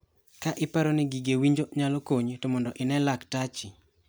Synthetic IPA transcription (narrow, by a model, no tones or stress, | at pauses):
kaʔɪpaɾonɪɡiɡewiɲd͡ʒoɲalokoɲtomɔndɔʔɪnɛlaktat͡ʃɪ